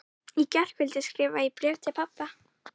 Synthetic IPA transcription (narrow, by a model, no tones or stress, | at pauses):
icɛr̥kvɪlt̪ɪskɾɪːvaipɾɛːvt̪ɪpʰapːa